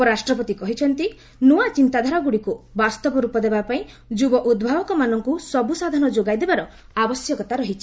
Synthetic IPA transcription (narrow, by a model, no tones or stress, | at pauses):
pɔɾasʈɾɔpɔt̪ikɔɦit͡ʃʰɔnt̪i | nuat͡ʃint̪ad̪ʱaɾɔɡuɽikubast̪ɔpɔɾupɔd̪ebapaĩ | d͡ʒubɔʔud̪̚bʱabɔkɔmanɔŋkusɔbusad̪ʱanɔd͡ʒoɡajd̪ebaɾɔ | abɔsjɔkɔt̪aɾɔɦit͡ʃʰi̥